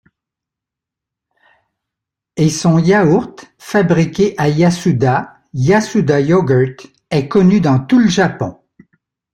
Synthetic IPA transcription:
esɔ̃jauʁt̪fabʁikʲeʔajasud̪a | jasud̪ajɔɡəʁt̪ | ɛkɔnyd̪ɑ̃t̪uləʒapɔ̰̃

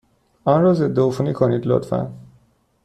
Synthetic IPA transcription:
anɾɔːzed̪ːeofunikʰoniːd̪lo̰t̪fæ̰n

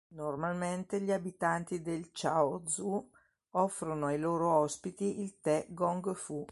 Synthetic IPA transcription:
normalment̪eʎiabit̪ant̪id̪elt͡ʃawod̪zu | ɔfːɾonoajloːɾoɔspit̪iʔilt̪ɛɡɔŋɡfu

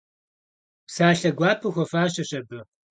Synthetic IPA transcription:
psaːɬɐɡʷaːpʰɨxʷɔfaːɕɐɕɐbɨ

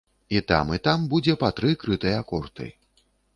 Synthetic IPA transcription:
it̪a̰mit̪ambud͡zʲɛpat̪ɾɨkɾɨt̪ɨjɐakɔrt̪ɨ̰

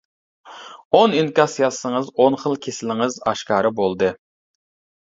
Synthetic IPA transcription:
oninkʲɑsijɑsːəŋəzonχəlˠkʲʰesɪlɪŋɨzɑʃkɑːɾɨbolˠd̪ɨ

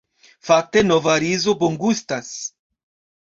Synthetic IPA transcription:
fak̚te̞no̞vaɾizo̞boŋɡustas

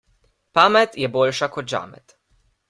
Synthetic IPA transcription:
pamɛt̪jɛbolʃakɔt̪̚d͡ʒa̰mɛ̰t̪

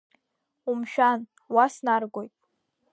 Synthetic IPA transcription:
umʃᶣan | wasnarɡʷojpʼ

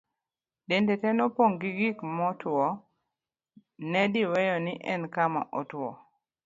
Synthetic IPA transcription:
dendɛtɛnɔpoŋɡiɡikmɔtwɔ | nɛdɪwɛjɔnɪʔɛnkama̰ʔɔtwɔ̰

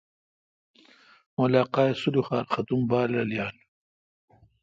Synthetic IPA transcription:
molaːqɑːesuluxaːɾxat̪umbaːɾlaljaːl

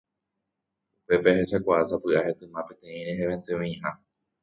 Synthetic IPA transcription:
upe̞pehe̞ʃakʷaasapɨahe̞t̪ɨ̃mãpẽ̞t̪ẽ̞ĩɾeɦeβẽnt̪ẽẽĩha

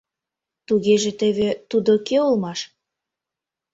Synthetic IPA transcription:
t̪uɣeʒĕt̪eβet̪ud̪okeulmɑʃ

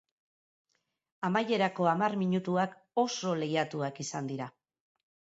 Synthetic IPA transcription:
amaje̞ɾako̞amarmiɲut̪uak | o̞so̞le̞jat̪uakisand̪iɾa

